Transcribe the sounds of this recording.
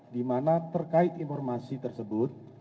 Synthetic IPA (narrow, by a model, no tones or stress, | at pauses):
dimanat̪ərkaɪt̪infɔrmasit̪ərsəbʊt̪̚